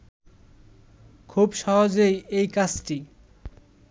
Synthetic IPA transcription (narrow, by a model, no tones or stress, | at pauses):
kʰubʃɔɦod͡ʑejejkat͡ɕʈi